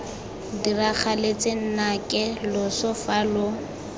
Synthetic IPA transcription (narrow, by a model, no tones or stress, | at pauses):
dirak͡xʰalet͡sʼɪn̩nakʼɪlʊsʊfalʊ